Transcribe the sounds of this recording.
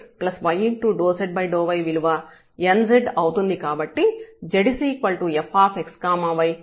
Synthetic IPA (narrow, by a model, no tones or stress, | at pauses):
plɐsʋɐjiɳʈːuːɖoːseɖ̚bɐjɖoːʋɐjʋiluʋaː | enzeɖɐwt̪und̪ikaːbɐʈːid͡ʒeɽisiːkʋɐɭʈuefaːpʰekskaːmaːʋɐj